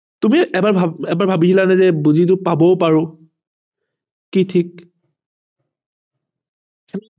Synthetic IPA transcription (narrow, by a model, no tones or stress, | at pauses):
tumiʔɛbaɹbʱaɛbaɹbʱabisilanɛzɛbuzit̬ʊpabɔʊpaɹʊ | kitʰik̚ | kʰɛ